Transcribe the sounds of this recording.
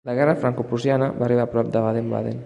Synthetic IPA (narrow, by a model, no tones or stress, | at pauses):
ləɣɛrəfɾaŋkupuzjanəβaːriβapɾɔp̚d̪əβaðemba̰ðḛn